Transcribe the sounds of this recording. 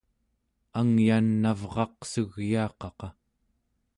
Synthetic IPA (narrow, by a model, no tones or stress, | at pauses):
aŋjanːavʁɑqsuɣjɑːqɑqɑ